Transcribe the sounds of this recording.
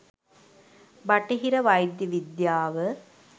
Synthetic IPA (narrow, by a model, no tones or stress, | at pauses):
bɐʈeɦiɾɐʋɐjd̪jɐʋid̪jaːʋə